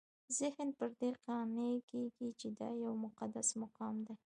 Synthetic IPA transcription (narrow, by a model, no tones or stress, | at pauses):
zɪhnpəɾd̪eqɑnekeɡit͡ʃed̪ɑ̰jawmʊqad̪asmaqɑmd̪a